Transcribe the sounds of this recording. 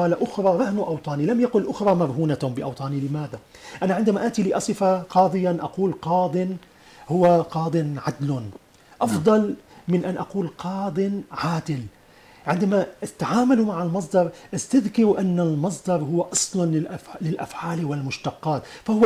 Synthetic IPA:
ɑːlaʔʊxɾˤɑːɾˤɑhnʔɑwt̪ˤɑːnilamjaqʊlʔʊxɾˤɑːmaɾˤɦuːnabɪʔɑwt̪ˤɑːnilɪmaːða | ʔanaʕɪnd̪amaʔaːt̪iliʔɑsˤɨfaqɑːd̪ˤɨjanʔɑquːlqɑːd̪ˤɪn | hʊwaqɑːd̪ˤɨnʕad̪lʊ | ʔɑfd̪ˤɑlmɪnʔanʔɑquːlqɑːd̪ˤɨnʕaːd̪ɪl | ʕɪnd̪amaʔat̪aʕaːmalumaʕalmɑs̬ˤd̪ɑɾˤʔast̪aðkɑɾuʔanːalmɑs̬ˤd̪ɑɾˤhʊwaʔɑsˤlɑnɪʔflɪlʔa̰fʕaːlwɪlmʊʃt̪ɑqːɑːt̪fahʊwa

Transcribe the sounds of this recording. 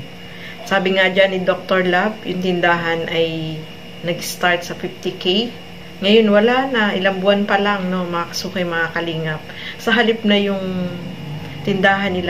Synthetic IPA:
saːbɪŋad͡ʒanːɪd̪ok̚t̪oɹlab̚jʊŋt̪ɪnd̪aːɦɐnʔɐj | nɐɡɪst̪aɹt̪̚sɐfift̪ɪkej | ŋɐjo̞nwɐlanɐʔɪlaŋbʊanpɐlaŋno̞mɐkakɐ̥suːkɐjmɐkakɐliːŋɐp̚sɐɦɐlɪp̚nɐjʊŋ | t̪ɪnd̪aːɦɐnːɪla

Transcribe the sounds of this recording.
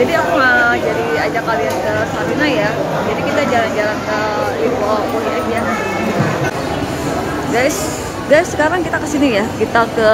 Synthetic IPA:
d͡ʒadiakuŋəd͡ʒadiad͡ʒakaliankəsaɾinaja | d͡ʒadikit̪ad͡ʒaland͡ʒalankəlifɔponiad͡ʒa | ɡajs | ɡajsːəkaɾaŋkit̪akəsinijakit̪akə

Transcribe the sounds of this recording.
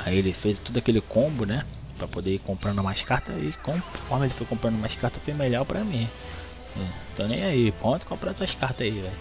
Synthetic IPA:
aielɪfejzt̪od̪ʊakelɪkõbʊnɛ | pɾɐpod̪eikõmpɾɐ̃nd̪ũmaʃkaɾt̪ɐikõfɔhmɐelɪfojkõmpɾɐ̃nd̪umaʃkaɾt̪ɐfojmeʎawpɾɐmĩ | ɛ̃t̪ɐ̃w̃nẽj̃aipɾõt̪ʊ̥kõmpɾat̪uɐʃkaɾt̪aivɛ

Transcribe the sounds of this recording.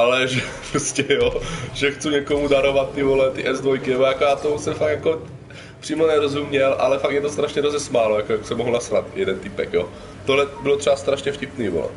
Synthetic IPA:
ʔalɛʒɛpɾoscɛjoʒɛxt͡suɲɛkomudaɾovat̪̚ːɪvolɛt̪ɪʔɛzd̪vojkɪnɛbojakojaːt̪osɛmfakjako | pr̥iːmonɛɾozumɲɛlʔa̰lɛfak̚jɛt̪ost̪ɾaʃɲɛɾozɛsmaːlojakojaksɛmoɦlnasɾat̪jɛdɛnt̪ɪpɛkjoː | t̪oɦlɛbɪlot̪rɛbast̪ɾaʃɲɛfcɪpniːvo̰lɛ̰

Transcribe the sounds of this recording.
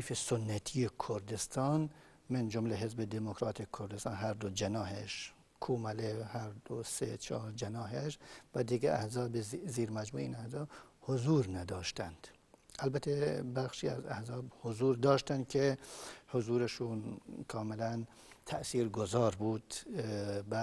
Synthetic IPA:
fesonːæt̪ʰiekʰoɾd̪est̪ʰɑːn | mend͡ʒomleɦezbed̪emokɾɑːt̪ʰekʰoɾd̪est̪ɑːnɦæɾd̪od͡ʒenɒːɦeʃ | kʰuːmælehæɾd̪oset͡ʃʰɒːɾd͡ʒenɒːɦeʃvæd̪iɡeʔæhzɒːbeziːɾmæd͡ʒmuːeiːnæhzɒːbhozuːɾnæd̪ɒːʃt̪ænd̪̥ | ʔælbæt̪ʰebæχʃiːæ̰zæ̰hzɒːbhozuːɾd̪ɒːʃt̪ænd̪̚kʰehozuːɾeʃuːnkʰɒːmelæn | t̪ʰæʔsiːɾɡozɒːɾbuːd̪̥ | bæ

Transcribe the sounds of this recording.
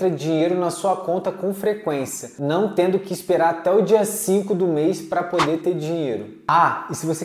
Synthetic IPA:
ɾɐd͡ʒiɲejɾʊnɐsuɐkõnt̪ɐkõfɾekwẽsiɐnɐ̃w̃t̪ẽnd̪ʊkɪːspeɾaɾat̪ɛʊd͡ʒiɐsĩkʊd̪ʊmejspɾɐpod̪eɾt̪eɾd͡ʒĩɲejɾʊ | aɪsɪvose

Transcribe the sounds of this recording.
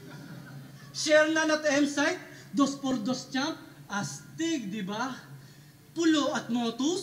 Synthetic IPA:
ʃɛɾnɐnɐt̪ɛmsajt̪̚d̪ospɔɾd̪ost͡ʃamp̚ʔɐst̪ɪɡ̚d̪ɪba | pʊloʔɐt̪̚moːt̪ʊs

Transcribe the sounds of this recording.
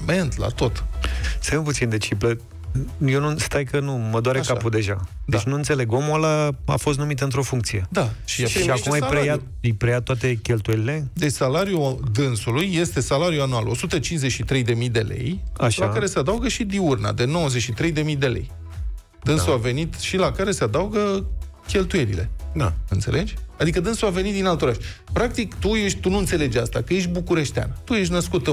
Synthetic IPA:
ment̪la̰t̪o̞t̪semput̪sind̪e̞t͡ʃiplə | jewnust̪ajkənuməd̪oaɾekapud̪e̞ʒad̪et͡ʃʲnuɨnt̪se̞le̞ɡomolaa̰fo̞s̬t̪numit̪əɨnt̪ɾo̞fuŋk̚t̪sije̞d̪aʃiʃiakumajɾeja | jpɾejat̪ːoat̪e̞kʲelt̪ujelile̞d̪et͡ʃʲsalaɾjud̪ɨnsulujːe̞st̪e̞salaɾjuanualo̞̰sut̪ət͡ʃinzeʃit̪ɾe̞jd̪e̞mijd̪e̞le̞̰jaʃlakaɾe̞sead̪auɡəʃid̪iurna̰d̪e̞no̞wəze̞ʃit̪ɾe̞jd̪e̞mijd̪e̞le̞̰j | d̪ɨnsuave̞nit̪ʃilakaɾe̞se̞ad̪auɡəkʲe̞lt̪uje̞lḭle̞̰d̪a̰ɨnt̪se̞̰lʔe̞d͡ʒʲad̪ikəd̪ɨnsuave̞nit̪̚d̪inalt̪oɾaʃtʲpɾak̚t̪ikt̪uje̞ʃt̪unuɨnt̪se̞le̞d͡ʒast̪a̰kəje̞ʃ̬bukuɾe̞ʃt̪ea̰nt̪uje̞ʃ̬ʲnəskut̪

